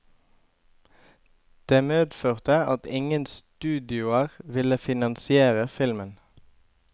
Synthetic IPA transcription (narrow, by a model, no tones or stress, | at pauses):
d̪̥eːmeːd̪føːʁt̪əɑt̪ɪŋənst̪ʉːd̪ɪʊəʁʋɪləfɪnɑnsɪeːʁəfɪlmən